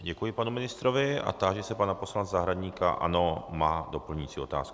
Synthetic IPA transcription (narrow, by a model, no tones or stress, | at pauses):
ɟɛkujɪpanumɪnɪst̪ɾovɪa̰t̪aʒɛsɛpanaposlant͡szaɦɾadɲiːka̰ʔa̰nomaːdo̞pl̩ɲiːt͡siːo̞t̪a̰ːsku